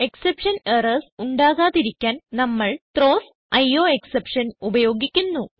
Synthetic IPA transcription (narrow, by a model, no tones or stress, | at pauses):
e̞ksepʂɐnerɐsuɳɖaːɣaːðiɾikʲːaːnnɐmːɐɭt̪ɾoːs | ɐjoːeksepʂɐnubɐjo̞ːɡikʲːunːu